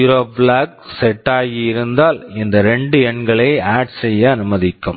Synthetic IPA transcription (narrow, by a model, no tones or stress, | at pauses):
ʊɾoːbɭaːk̚sɛʈːaːjɪɪɾɯnd̪aːlɪnd̪ɐɾɛɳɖɯɛɳɡɐɭɐɪaːʈsɛjːɐɐnɯmɐðɪkːɯm